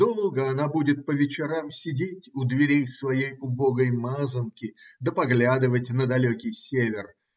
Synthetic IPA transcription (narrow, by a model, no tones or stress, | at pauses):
d̪̥olˠɡəɐnabudʲɪt̪̚pəvʲɪt͡ɕɪɾamsʲɪdʲetʲʊd̪vʲɪɾʲijsvɐjejʊbo̞ɡəjmazəmkʲɪd̪əpɐɡlʲad̪ɨvətʲnəd̪ɐlʲokʲɪjsʲevʲɪr